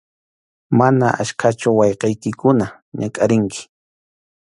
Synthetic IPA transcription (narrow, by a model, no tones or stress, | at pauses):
manaʔa̰ʃkʰat͡ʃʊwɑjqɑjkɪkʊna | ɲakʼaɾɪŋkɪ̥